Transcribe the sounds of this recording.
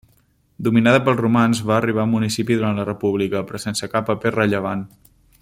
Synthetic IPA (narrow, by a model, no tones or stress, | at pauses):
d̪uminaðəpəlˠzrumanzβaəːriβ̞aumunisipiðuɾanlərəpuβ̞likəpɾɔsensəkapːəperəʎəβ̞an